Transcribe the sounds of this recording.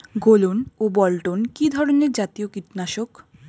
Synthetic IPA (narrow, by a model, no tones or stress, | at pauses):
ɡolonobɔlʈonkid̪ʱɔɾoneɾd͡ʑat̪iokiʈnaʃok